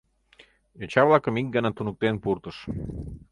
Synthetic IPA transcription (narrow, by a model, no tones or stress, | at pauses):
jot͡ɕɑβlɑkəmik̚ɡənɑt̪unuk̚t̪enpurt̪əʃ